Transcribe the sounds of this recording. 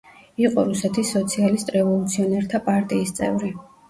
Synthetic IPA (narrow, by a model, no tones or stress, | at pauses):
iqʼɔɾusɛt̪ʰisːɔt̪sʰialist̪ʼɾɛvɔlˠut̪sʰiɔnɛɾt̪ʰapʼaɾt̪ʼiːst̪sʼɛ̰vɾi